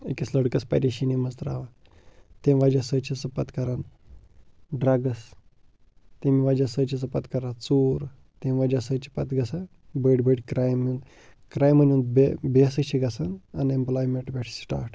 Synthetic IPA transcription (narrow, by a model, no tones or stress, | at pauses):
ekʲisləɽkəspa̰ɾeɕinimɐzt̪ɾa̰ʋa | t̪ẽʋad͡ʒasət͡ʃʰisɐpat̪kɐɾan | ɖɾaɡəs | t̪emiʋad͡ʒasət͡ʃʰisɐpat̪kɐɾat͡suːɾ | t̪ẽmʋad͡ʒasət͡ʃʰi̥pat̪ɡɐsa | bəɽʲbəɽʲkɾajmũnd̪ | kɾajmɐnʲũnd̪̚bebesət͡ʃʰiɡɐsananemplɔjmeɳʈbɛʈʰsʈa̰ːɾʈ